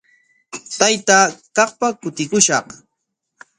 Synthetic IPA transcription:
t̪ajt̪akɑχpakʊt̪ɪkʊʃɑχ

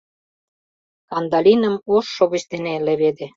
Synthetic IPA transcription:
kɑnd̪ɑlʲinə̆moʃːoβə̆t͡ɕt̪enelĕβed̪ĕ

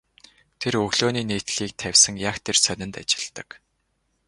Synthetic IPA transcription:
t̪ʰerɵɣɮoːniːneːt̪ɮiːk̚t̪ʰæwʲsə̆ŋjakt̪ʰersœnʲɪ̆nt̪a̰t͡ɕɪ̥̆ɮt̪ə̆k

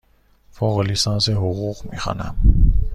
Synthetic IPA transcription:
foːɣlisɑːnseɦoɣuʁmḭxɑ̰ːnæ̰m

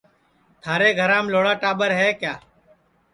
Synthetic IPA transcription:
t̪ʰaːɾeːɡʱəɾãːmloːɽaːʈaːɓəɾɦɛːkjaː

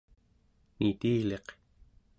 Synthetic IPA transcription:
nit̪iːle̞q

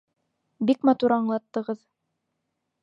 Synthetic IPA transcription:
bikmɑt̪uɾɑɴlˠɑt̪ːɤ̆ʁɤð

